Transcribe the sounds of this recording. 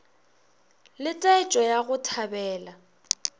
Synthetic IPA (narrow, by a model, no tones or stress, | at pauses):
lɪtʼaɪt͡ʃʼɔjaɣʊtʰabɛːla